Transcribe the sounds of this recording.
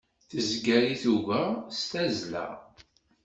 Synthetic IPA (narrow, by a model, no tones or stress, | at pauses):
θəzɡæɾiθuʝæst̪æzlæ̰